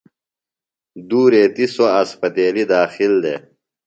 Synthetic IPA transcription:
d̪uːɾeːt̪isoɐspɐt̪eːlid̪aːxild̪e

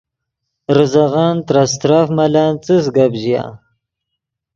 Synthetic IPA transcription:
ɾuzaɣant̪ɾast̪ɾafmalaːnt͡sɨs̬ɡabʑija̰

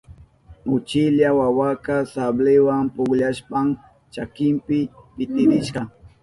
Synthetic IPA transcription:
ʊt͡ʃɪʎawawakasablɪwampʊkʎaʃpam | t͡ʃakɪmpɪpɪt̪ɪɾɪʃɢɑ

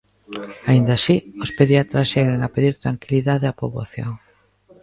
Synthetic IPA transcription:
aind̪asiospeðjat̪ɾasʃɛɣeŋapeðiɾt̪ɾaŋkiliðaðeapoβa̰θjo̰ŋ

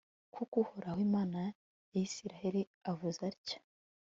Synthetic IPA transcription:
kukuhoɾahwiːmaːna | jajisiɾaheɾi | avuzaɾcḁ

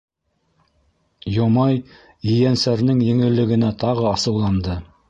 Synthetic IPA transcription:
jomɑj | ɘ̆jænsæɾnɘŋjɘ̆ŋɘ̆lːɘ̆ɡɘ̆næt̪ʰɑʁɤɑsɤ̆wlˠɑnd̪ɤ

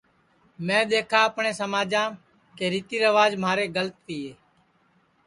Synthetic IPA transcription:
mɛ̃ːɗ̪eːkʰaːəpɳeːsəmaːd͡ʒãː | keːɾiːt̪iːɾəʋaːd͡ʒmaːɾeːɡələt̪piːeː

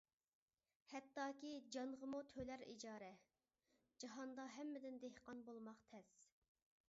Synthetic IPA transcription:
hɛt̪ːɑːkʲid͡ʒɑnʁəmut̪ʰølæɾḭd͡ʒɑːɾɛ | d͡ʒɑɦɑnd̪ɑɦɛmːɪd̪ɪnd̪ehqɑnbolˠmɑqt̪ʰɛs

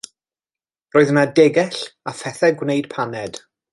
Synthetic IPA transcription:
roːðənadɛɡɛɬafɛθɛɡwnejd̥pʰanɛd̥

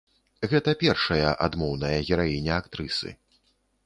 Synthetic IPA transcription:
ɣɛt̪ɐpʲɛrʂɐjɐʔa̰d̪mɔwnɐjɐɣʲɛɾajinʲɛakt̪ɾɨsɨ̰

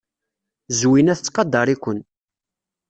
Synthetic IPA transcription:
zwinæθət͡sːqɑd̪ːɑɾˤikʷːən

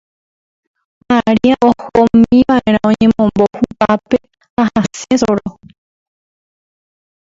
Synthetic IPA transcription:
aɾiaʔohomĩʋaʔe̞ɾ̃ãõɲẽ̞mõmbohupape̞ | hahasesoɾo

